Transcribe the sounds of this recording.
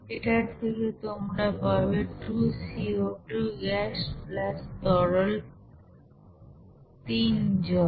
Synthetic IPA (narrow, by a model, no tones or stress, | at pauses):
eʈaɾt̪ʰeket̪omɾapabeʈusioʈuɡɛʃplast̪ɔɾol | t̪ind͡ʑɔ